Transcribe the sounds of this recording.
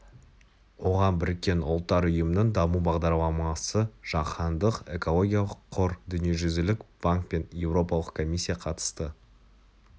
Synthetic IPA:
wo̞ʁɑnbɪɾɪkʲːe̞nʊ̰lˠt̪ːɑɾʏjəmənəɴd̪ɑmubɑʁd̪ɑɾlˠɑmɑsəʒ̥ɑqʰɑnd̪əqe̞̰ko̞lˠo̞ɡʲijɑlˠəqʰːoɾd̪ʏnije̞ʒʏzɪlɪkb̥aŋk̚pe̞nje̞wɾo̞pɑlˠəqkʰo̞mʲisʲːijɑqʰɑt̪ə̥st̪ə

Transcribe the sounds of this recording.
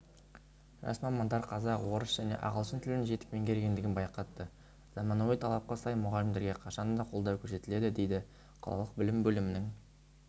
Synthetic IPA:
ʒɑ̰smɑmɑnd̪ɑɾqʰɑzɑqwo̞ɾəsʒ̥æne̞̰ʔɑ̰ʁəlˠʃənt̪ʰʏlɪnʒe̞t̪ɪ̥k̚pe̞ŋkʲʰe̞ɾɡʲe̞nd̪ɪɡʲɪnbɑjqɑt̪ːə | z̥ɑmɑnowijt̪ʰɑlˠɑp̚qɑsɑjmʊʁɑlɪmd̪e̞ɾɡʲeqʰɑʃɑnd̪ɑqʰo̞lˠd̪ɑwkʲʰɵɾse̞t̪ɪle̞d̪ɪd̪e̞jd̪ɪ | qʰɑ̰lˠɑ̰lˠəq̚bɪlɪmbɵlɪmɪnɪŋ

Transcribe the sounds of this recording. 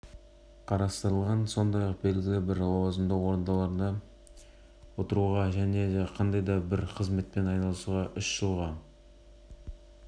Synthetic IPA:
qʰɑɾɑst̪əɾəlˠʁɑnso̞nd̪ɑjɑq̚be̞lɡʲɪlʲɪbɪɾwɑzənd̪əqwo̞ɾənd̪ɑlˠɑɾnɑ | wo̞t̪əɾuʁɑʒæne̞qʰɑnd̪ɑjd̪ɑbɪɾqʰəzme̞t̪̚pe̞nɑjnɑlˠəsuʁɑʔʏʃʒ̥əlˠʁɑ

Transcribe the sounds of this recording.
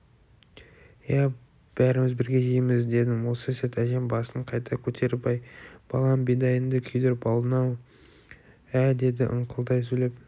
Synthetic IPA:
jæ | b̥æɾɪmɪzbɪɾɡʲe̞ʒejmɪzd̪e̞d̪ɪwo̞səset̪æʒe̞mbɑsəɴqʰɑjt̪ʰɑkʲʰɵt̪ʰe̞ɾɪpɑjb̥ɑ̰lˠɑmbed̪ɑjənd̪əkʲʰʏjd̪e̞ɾbɑlˠənɑw | æd̪e̞d̪ɪʔə̰ɴqʰəlˠd̪ɑjs̬ɵjle̞p̚

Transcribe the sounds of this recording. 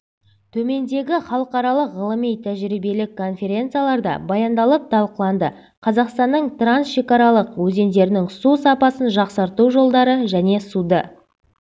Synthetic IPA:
t̪ʰɵme̞nd̪e̞ɡʲɪχɑlˠəqɑɾɑlˠəqʁəlˠəmijt̪ʰæʒɾibe̞lɪkʰːo̞nfʲe̞ɾʲe̞nt̪sɨjalˠɑɾd̪ɑ̰bɑjɑnd̪ɑlˠəp̚t̪ʰɑlˠqəlˠɑnd̪ə | qʰɑzɑqst̪ɑnːəɴt̪ransʃe̞kɑɾɑlˠəqwɵze̞nd̪e̞ɾɪnɪŋsusɑpɑsənʒɑqsɑɾt̪uwʒo̞lˠd̪ɑɾəʒæne̞sud̪ə

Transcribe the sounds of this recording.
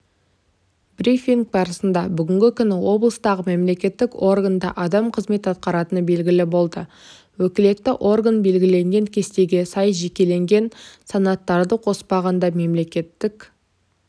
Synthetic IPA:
brifiŋɡ̚bɑɾəsənd̪ɑbʏɡʲɪŋɡʲɪkʲʏnɪwo̞blˠəst̪ɑʁəme̞mle̞kʲe̞t̪ːɪko̞rɡand̪ɑ̰ʔɑd̪ɑmqʰəzme̞t̪ɑt̪̚qɑɾɑt̪ənəbe̞lɡʲɪlɪbo̞lˠd̪ə | wɵkʲɪle̞t̪ːɪʔo̞rɡanbe̞lɡʲɪle̞ŋɡʲe̞ŋkʲʰe̞st̪e̞ɡʲe̞sɑjʒe̞kʲe̞le̞ŋɡʲe̞nsɑnɑt̪ːɑɾd̪əqʰo̞spɑʁɑnd̪ɑme̞mle̞kʲe̞t̪ːɪk

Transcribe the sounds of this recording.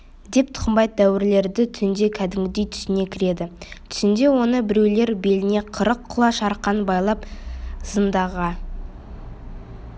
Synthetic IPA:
d̪e̞p̚t̪ʰʊ̥qəmbɑjt̪̚d̪æwɪɾle̞ɾd̪ɪt̪ʰʏsɪnd̪e̞kʲʰæd̪ɪmɡʲɪd̪e̞jt̪ʰʏ̥sɪne̞kʲʰɪɾe̞d̪ɪt̪ʰʏ̥sɪnd̪e̞wo̞nəbɪɾe̞wle̞ɾbe̞lɪne̞qʰəɾəqʰːʊlˠɑʃɑɾqːɑnbɑjlˠɑp̚z̥ənd̪ɑʁɑ

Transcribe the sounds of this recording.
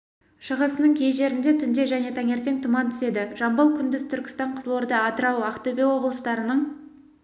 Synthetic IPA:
ʃəʁəsənəɴkʲʰe̞jʒe̞ɾɪnd̪e̞t̪ʰʏnd̪e̞ʒæne̞t̪ʰɑŋe̞ɾt̪e̞ŋt̪ʰʊmɑnt̪ʰʏ̥se̞d̪ɪʒɑmbəlˠkʲʰʏnd̪ɪz̥t̪ʰʏɾkʲɪ̥st̪ɑɴqʰəzlˠoɾd̪əɑt̪əɾɑwɑqt̪ɵbewo̞blˠəst̪ɑɾənəɴ

